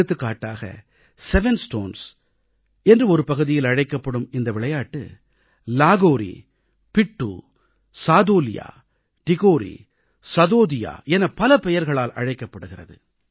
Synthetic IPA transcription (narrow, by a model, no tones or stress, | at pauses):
ɯt̪ːɯkːaːʈːaːɣɐ̰ | sɛʋɛnsʈoːns | ɛndrɯɔɾɯpɐɣɯðɪjɪlɐɻɐɪkːɐpːɐɽɯmɪnd̪ɐʋɪɭɐjaːʈːɯ̰ | laːɣoːɾḭ | pɪʈːṵː | saːðoːlɪja̰ː | ʈɪɣoːɾḭ | sɐðoːðɪja̰ːʔɛnɐpɐlɐpɛjɐɾɣɐɭaːlʔɐ̰ɻɐɪkːɐpːɐɽɯɣɪrɐ̰ðɯ̰